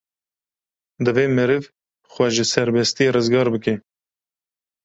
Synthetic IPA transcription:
d̪ɨveːmɨɾɨv | xʷwɛʒɨsɛɾbɛst̪ijerɨzɡɑːɾbɨke

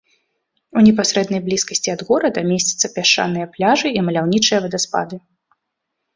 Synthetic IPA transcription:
unʲɛp̬asʲɾɛd̪nɐjblʲiskɐsʲt͡sʲiɐd̪ɣɔɾɐd̪ɐmʲesʲt͡sʲi̥t̪sːɐpʲaʂt͡ʂa̰nɨjɐplʲaʐɨimɐlʲawnʲit͡ʂɨjɐvɐd̪ɐspa̰d̪ɨ

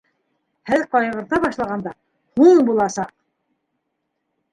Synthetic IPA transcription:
hæðqɑjɤ̆ʁɤ̆ɾt̪ɑbɑʃlˠɑʁɑnd̪ɑ | huɴbulˠɑsɑq̚

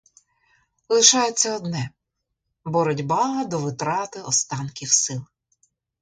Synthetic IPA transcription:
lˠɪʃɑjet͡sʲːɐɔd̪nɛ | bɔɾɔdʲbɑɦɐd̪ɔʋɪt̪ɾɑt̪ɪɔst̪ɑnkʲiwsɪlˠ

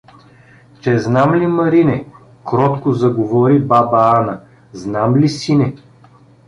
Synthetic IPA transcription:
t͡ʃɛznamlimɐɾinɛ | kɾɔt̪kozɐɡovɔɾibabaanɐ | znamlisinɛ

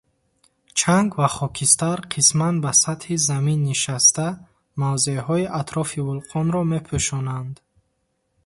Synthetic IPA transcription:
t͡ʃʰaŋɡvaχɔkʰist̪aɾqʰismanbasat̪hizaminːiʃast̪a | mavzeɦɔiʔat̪ʰɾɔfivulqʰɔnɾɔme̞pʰuʃɔnand̪

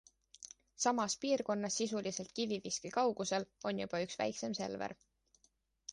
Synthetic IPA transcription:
sɑmɑspiːrko̞nːɑsːisulise̞lt̪̚kiviviskikɑwɡ̥use̞lo̞njub̥ɑyksvæ̰jkse̞mse̞̰lvḛɾ

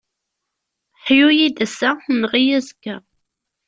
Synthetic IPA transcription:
ħjujid̪æsæmʁijæzkːæ

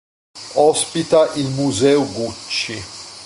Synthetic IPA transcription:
ɔspit̪aʔilmuzɛwɡut͡ʃːi

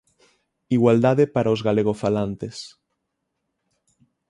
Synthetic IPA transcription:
iɣwald̪aðepaɾaozɣaleɣ̞ofalant̪es

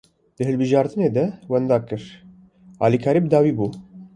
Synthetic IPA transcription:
d̪̥ɨɦɨlbɨʒɑːɾt̪ɨneːd̪ɛwɛnd̪ɑːkɨɾ | ɑːlikʰɑːɾiːbəd̪ɑːwiːbuː

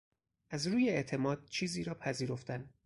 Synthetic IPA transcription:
ʔæzɾuːje̞eʔt̪ʰe̞mɒːd̪̥̚t͡ʃʰiːziːɾɒːpʰæziːɾo̞ft̪æn

